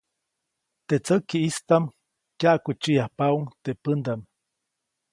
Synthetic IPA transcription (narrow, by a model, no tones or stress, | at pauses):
t̪et͡səkiist̪am | kjaʔkut͡ʃijahpauŋt̪epənd̪am